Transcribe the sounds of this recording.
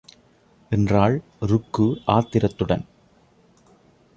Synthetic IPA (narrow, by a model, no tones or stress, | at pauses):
ʔɛndraːɭ | ɾʊkːɯʔaːt̪ːɪɾɐt̪ːɯɽɐ̰n